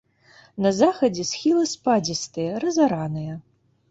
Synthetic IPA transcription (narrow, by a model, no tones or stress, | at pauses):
nɐzaxɐd͡zʲɛsxʲilˠɨspad͡zʲist̪ɨjɐɾɐzaɾanɨjɐ